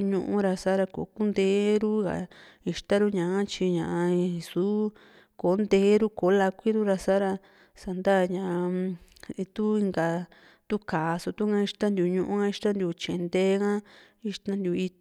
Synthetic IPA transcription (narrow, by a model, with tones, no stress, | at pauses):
ɲũ˧ʔũ˦ɾa˧sa˦ɾa˧ko̰˨˦ku˦nd̪eː˧˦ɾu˦ɡa̰˨ | i˧ʃt̪a˦ɾu˦ɲã˨ã˦t͡ʃi˧ɲã˨ʔa˧su˨˦ | ko˨˦nd̪eː˧˦ɾu˦ko˨˦la˧kʷi˦ɾu˦ɾa˧sa˦ɾa˧ | sa˨nd̪a˦˧ɲã˨ʔa˧ | t̪u˦i˧ŋɡa˧ | t̪u˦kaː˨˧so˧t̪u˦ŋã˧˦i˧ʂt̪a˦nd̪ju˧ɲũ˧ʔũ˦ã˦i˧ʂt̪ã˦nd̪ju˧t͡ʃẽ˨˧nd̪e˦ɣã˦ | i˧ʃt̪ã˦nd̪ju˧i˧